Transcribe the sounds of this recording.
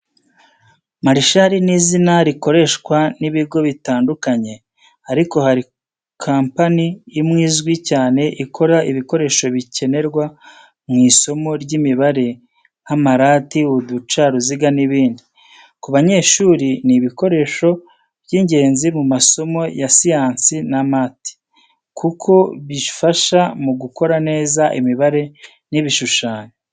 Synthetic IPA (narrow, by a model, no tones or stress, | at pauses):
maɾiʃaɾiniːzinaɾiko̞ɾe̞ʃkwaniβiɡo̞βitaːndukaɲe̞ | aɾiko̞haɾi | kʰaːmpanijimŋiːzɡwicaːne̞ʔikʰo̞ɾaʔiβiko̞ɾe̞ːʃo̞βice̞ne̞ɾɡwa | mŋiːso̞mo̞ɾɟimiβaɾe̞ | hamaɾaːtiudut͡ʃaɾuziɡaniβiːndi | kuβaɲe̞ːʃuːɾiniβiko̞ɾe̞ʃo̞ | bɟiɲɟe̞ːnzimumaso̞mo̞jasijaːnsinamaːti̥ | kʰukʰo̞βi̥faʃamuɡuko̞ɾane̞ːzaʔimiβaɾe̞ | niβiʃuʃaːɲe